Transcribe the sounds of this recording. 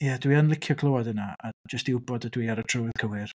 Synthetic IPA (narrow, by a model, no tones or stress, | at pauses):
jadwianlˠɪkʰjɔkʰlˠowadənaad͡ʒəstɪwbɔdədwiːaɾətʰrəwɪð̥kʰəwɪr